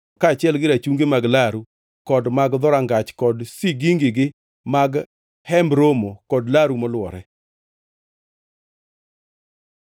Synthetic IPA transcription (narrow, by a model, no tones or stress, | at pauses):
kat͡ʃɪɛlɡɪɾat͡ʃuŋɡemaɡlaɾu | kɔdmaɡd̪ɔɾaŋɡat͡ʃkɔdsiɡiŋɡɪɡɪ | maɡ | hɛmbɾomokɔdlaɾumɔlwɔɾɛ